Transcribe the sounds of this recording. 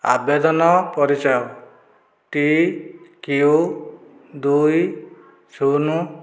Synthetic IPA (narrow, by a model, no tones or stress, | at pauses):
a̰bed̪ɔnɔpɔɾit͡ʃɔjɔ | ʈi | kiu | d̪uj | sʰunu